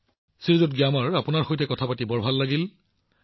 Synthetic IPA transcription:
siɹzɔt̚ɡiamaɹapʊnaɹxojtɛkɔtʰapatibɔɹbʱalːaɡil

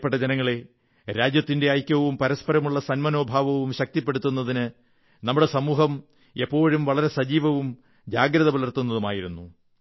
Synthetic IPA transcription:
pːeʈːɐd͡ʑenɐŋːɐɭe̞ | ɾaːd͡ʑjɐt̪ːinde̞aːjkʲːɐʋumpɐɾɐspɐɾɐmuɭːɐsɐnmɐno̞ːbʱaːʋɐʋumɕɐk̚t̪ipːe̞ɽut̪ːun̪ːɐðinɨ | nɐmːuɽe̞sɐmuːɦɐm | e̞pːo̞ːɻumʋɐɭɐɾe̞sɐd͡ʑiːʋɐʋum | d͡ʑaːɡɾɐðɐbɐlɐrt̪ːunːɐðumaːjiɾunːu

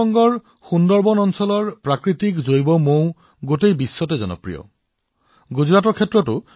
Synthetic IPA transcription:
ɔŋɡɔɹ | xundɔɹbɔnɔnsɔlɔɹpɹakɹitikzojbɔmõw̃ | ɡotejbisːɔtezɔnɔ̰pɹḭjɔ̰ | ɡuzɹatɔɹkʰetːɹɔtʊ

